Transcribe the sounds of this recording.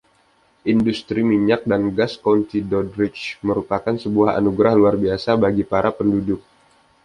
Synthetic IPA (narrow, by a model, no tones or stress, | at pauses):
ʔindust̪ɾimiɲak̚danɡaskont̪idɔdɾɪt͡ʃməɾupakansəbuaha̰nuɡɾahluarbiasabaɡipaɾapəndudʊk̚